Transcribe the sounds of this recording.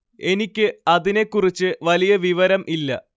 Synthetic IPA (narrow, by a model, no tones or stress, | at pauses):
e̞nikʲːɨɐðine̞kːurit͡ɕːɨʋɐlijɐʋiʋɐɾɐmʔilːɐ